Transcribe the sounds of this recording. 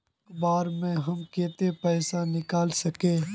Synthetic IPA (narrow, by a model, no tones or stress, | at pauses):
kbaːɾmẽɦɐmkeːt̪epɛːsanɪkaːlsɐkeː